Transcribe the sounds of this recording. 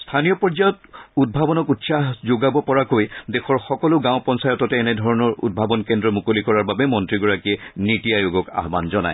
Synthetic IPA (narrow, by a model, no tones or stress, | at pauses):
stʰanijɔpɔɹd͡ʒajɔtud̚bʱabɔnɔkutsaɦzoɡabɔpɔɹakojdɛxʰɔɹxɔkɔlʊɡãʊ̃pɔnsajɔtɔtɛːnɛdʱɔɹɔnɔɹṵd̚bʱabɔnkendɹɔmukolikɔɹaɹbabɛmɔntɹiɡɔɹakiɛnitijajoɡɔka̰ɦba̰nzɔna̰j